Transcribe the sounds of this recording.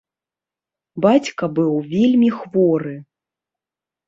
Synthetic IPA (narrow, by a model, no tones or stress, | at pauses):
bat͡sʲkɐbɨwvʲelʲmʲixvɔɾɨ